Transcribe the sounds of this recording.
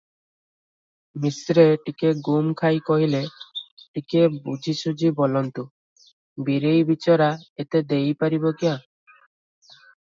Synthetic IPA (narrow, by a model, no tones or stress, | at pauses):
misɾeʈikeɡumkʰajkɔɦileʈikebud͡ʒʱisud͡ʒibolɔnt̪u | biɾejbit͡ʃɔɾaet̪ed̪ejpaɾibɔkia